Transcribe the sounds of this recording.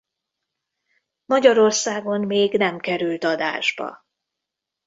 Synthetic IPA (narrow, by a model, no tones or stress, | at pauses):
mɒɟɒɾo̞rsaːɡo̞nmeːɡnɛmkɛɾylt̪ɒd̪a̰ːʒbɒ̰